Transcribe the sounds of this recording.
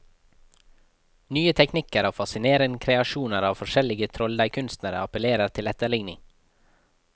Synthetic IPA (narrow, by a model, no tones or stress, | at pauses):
nyːət̪ʰɛknɪkəɾɑːʋfɑsɪneːɾənkʰɾɛɑʃuːnəɾɑːʋfɔʃɛlɪɡət̪ʰɾɔld̪æɪkʰʉnst̪nəɾə̰ɑpəleːɾəɾt̪ʰɪlɛt̪əɭɪŋnɪ̰ŋ